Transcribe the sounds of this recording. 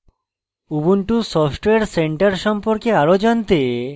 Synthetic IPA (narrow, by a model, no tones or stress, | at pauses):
ubuɳʈusɔfʰʈoeaɾseɳʈaɾʃɔmpoɾkeaɾod͡ʑɔnt̪e